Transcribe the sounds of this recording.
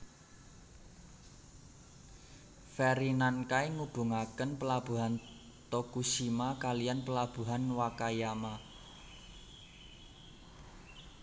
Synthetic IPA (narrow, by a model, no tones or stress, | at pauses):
fɛɾinankaeŋub̥ṳŋakənpəlab̥ṳɦan | t̪okusimakalijanpəlab̥ṳɦanwakajama